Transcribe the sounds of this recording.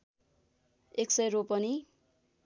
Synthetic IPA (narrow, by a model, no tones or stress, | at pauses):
eksʌjropʌni